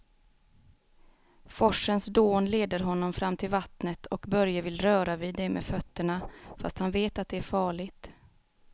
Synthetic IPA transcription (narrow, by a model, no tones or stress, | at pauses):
fɔʂənsd̪oːnleːd̪əɾɦɔnːɔmfɾamːt̪ʰɪlvat̪nət̪ʰɔkbœɾjavɪlɾœːɾavɪːd̪ːɛmʔḛːfœt̪ːəɳafa̰st̪hanveːt̪at̪̚d̪ɛæɾfɑːɭɪɡt̪